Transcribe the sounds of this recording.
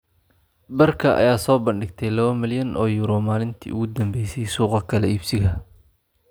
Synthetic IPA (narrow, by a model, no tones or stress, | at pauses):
bɐrkʰɐʔɐ̰jaːsɔːbɐnɖɪɡ̚t̪ʰɛjlɐβɐmɪljɐnʔɔːjuːɾɔmaːlɪnt̪ʰḭːʊɣʊd̪ɐmbɛjsɛjsuːqɑkʰɐlɛiːbsɪɣɐ